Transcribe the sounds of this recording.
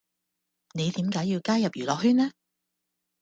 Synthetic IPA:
ne˨˧jt̪iː˨˥mkaː˨˥jːiː˧wkaː˥jɐ˨p̚jyː˨˩lɔː˨k̚ɦyː˥nlɛː˥

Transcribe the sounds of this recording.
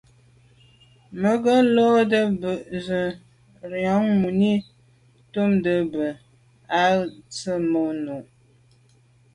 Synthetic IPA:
mə˨˦ɡə˦lo˦də˦bə˨ʔzə˨ | ɾjɔ˨˦ŋmu˨ni˦ | tu˦mdə˨bə˨ | a˦t͡sə˦mo˨˦nu˨ʔ

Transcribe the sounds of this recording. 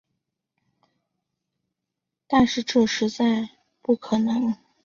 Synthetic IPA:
t̪a˥˧nʂɻ̩˥˧ʈ͡ʂɤ˥˩ʂɻ̩˧˥t͡sa˥˧ɪ | pu˥˩kʰɤ˨˩nɤ˧˥ŋ

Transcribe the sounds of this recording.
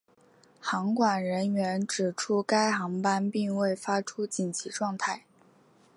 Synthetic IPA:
xɑ˧˥ŋkwa˨˩nɻə˧˥nɥɛ˧˥nʈ͡ʂɻ̩˨˩ʈ͡ʂʰu˥ka˥ɪxɑ˧˥ŋpa˥npi˥˧ŋwe˥˩ɪfa˥ʈ͡ʂʰu˥t͡ɕi˨˩nt͡ɕʰi˧˥ʈ͡ʂwɑ˥˧ŋt̪ʰa˥˩ɪ

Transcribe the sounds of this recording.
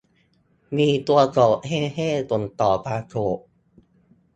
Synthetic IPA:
miː˧t̪u˧ɐsɔː˨˩k̚heː˥˩heː˥˩t̪o˧˩nt̪ɔː˨˩pʰaː˧tʰoː˨˩ʔ

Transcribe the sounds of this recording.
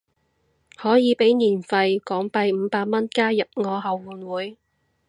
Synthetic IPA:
hɔː˨˥jiː˨˧pe˨˥jniː˨˩nfɐ˧jkɔː˨˥ŋpɐ˧jm̩ː˨˧paː˧k̚mɐ˥nkaː˥jɐ˨p̚ŋɔː˨˧ɦɐ˨wːuː˨˧nwuː˨˥j

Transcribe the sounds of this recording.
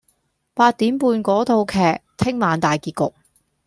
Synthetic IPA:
paː˧t̚t̪iː˨˥mpuː˧nkɔː˨˥t̪ʰo˧wkʰɛː˨k̚t̪ʰɪ˥ŋmaː˨˧nt̪aː˨jkiː˧t̚kʊ˨k̚

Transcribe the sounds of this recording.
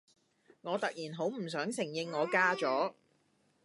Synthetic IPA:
ŋɔː˨˧t̪ɐ˨k̚jiː˨˩nɦo˨˥wm̩˨˩s̬œː˨˥ŋsɪ˨˩ŋjɪ˧ŋːɔː˨˧kaː˥t͡sɔː˨˥

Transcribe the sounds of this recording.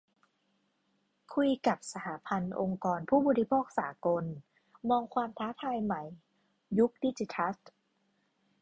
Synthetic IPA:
kʰu˧jka˨˩p̚sa˧t̪ʰaː˩˦pʰa˧nʔo˧ŋkɔː˧npʰuː˥˩bɔː˧ɾi˦˥pʰoː˥˩k̚saː˩˦ko˧n | mɔː˧ŋkʰwaː˧mt̪ʰaː˦˥t̪ʰaː˧jma˩˦j | ju˦˥k̚diː˧t͡ɕi˧t̪ʰa˦˥t

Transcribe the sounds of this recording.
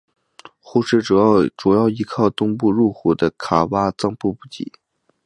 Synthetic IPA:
xu˥˧ʂɻ̩˥˩ʈ͡ʂu˨˩˥ʈ͡ʂu˨˩jɑ˥˩ʊi˧˥kʰɑ˥˩ʊt̪ʊ˥ŋp̬u˥˧ɻu˥˩xu˨˩d̪ə˦kʰa˨˩wa˥t͡sɑ˥˧ŋpu˥˧pu˥˩t͡ɕḭ˧˥˦

